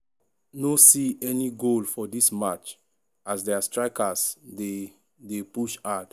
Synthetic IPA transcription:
nosiɛniɡolfɔdismat͡ʃ | asdɛastɹaɪkase | depuʃad

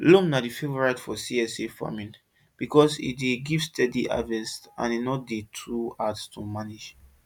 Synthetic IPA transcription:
lõmnadifevɔɹaɪtfɔsiɛsefa̰mĩn | b̥ikɔsḭt̚deɡivstʰɛdiʔa̰vɛsã̰ninɔt̚detʰɹuatstʰumanid͡ʒ

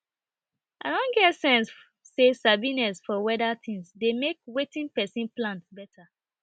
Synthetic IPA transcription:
aɪdõnɡɛtsɛ̃ns | sesabinɛsfɔwɛdat̪ĩŋsdemek̚wetĩnpɛsĩnplãntbɛtʰa

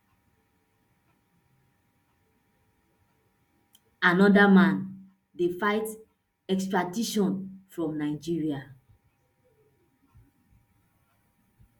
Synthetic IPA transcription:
anɔdamãn | defaɪt | ɛkstɹadiʃɔ̃nfɹɔ̃mnaɪd͡ʒiɹia

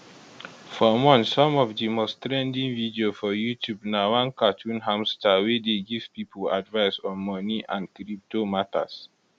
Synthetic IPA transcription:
fɔmɔ̃nsːɔ̃mɔvdimostɹɛ̃ndĩnvidiofɔjutʰubnawãnkatʰũnɦãmstawedeɡiv̥pipʰəla̰dvaɪsɔ̃nmɔniʔãndkɾip̚tomata̰s

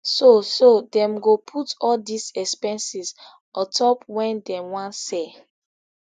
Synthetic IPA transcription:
sosodɛ̃mɡopʰutɔldisɛkspɛ̃nsis | ɔtʰɔpwɛ̃ndɛ̃wãnsɛ

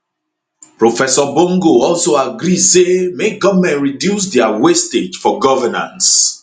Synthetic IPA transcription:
pɹofɛsɔbõŋɡoɔlsoaɡɾidsemeɡɔvmɛ̃ntɹidjus̬dɛawested͡ʒfɔɡɔvɛnã̰ns

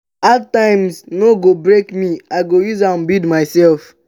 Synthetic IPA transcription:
atːãɪmsnoɡobɹekmiaɪɡojuzãmbidmaɪsɛlf

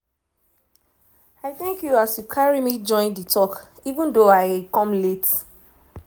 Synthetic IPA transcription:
aɪθɛ̃ŋkjuasjukʰaɹimid͡ʒɔ̃ɪ̃ndətʰɔk | ivə̃ndoaɪkɔ̃mlet

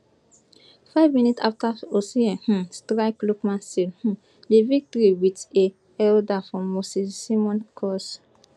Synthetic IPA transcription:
faɪvmĩnitsaftaosiɛhũstɾaɪklokmãnsilhũ | devik̚toɾiwite | ɛldafɹɔ̃mːosiːimɔ̃nkʰɔs

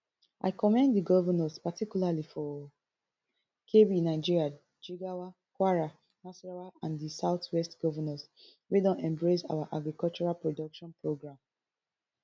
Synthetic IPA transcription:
ʔa̰ɪkɔmɛ̃nddiɡɔvɔnɔspatikjulalifɔ | kʰebinaɪd͡ʒiɹia | d͡ʒiɡawa | kwaɹa | masɹawaãndisaʊtʰwɛstɡ̥ɔvɔnɔs | wedɔ̃nɛ̃mbɹesa̰waʔaɡɹikɔlt͡ʃɔɹalpɹodɔkʃɔ̃npɹoɡɹãm

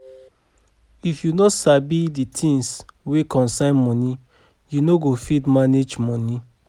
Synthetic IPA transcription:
ifjunɔsabiditʰĩŋswekɔ̃nsãɪ̃nmɔ̃ni | junoɡofidmaned͡ʒmɔni

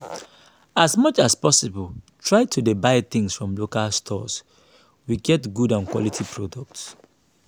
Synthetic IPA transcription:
asmʌt͡ʃaspɔsibəltʰɹaɪtʰudibaɪθɪ̃ŋsfɹɔ̃mlokalstʰɔ̰s | wiɡɛtɡudãnkwɔ̰litʰipʰɹɔdɔk̚ts

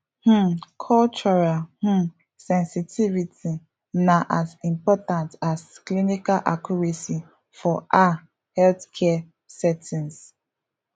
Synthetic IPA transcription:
h̩kʰɔlt͡ʃɔɹalh̩ | sɛ̃nsitʰivitʰi | naʔasĩmpɔtãntasklinikalʔa̰kjuɹesi | fɔʔa | hɛlθkʰɛ | sɛtĩns

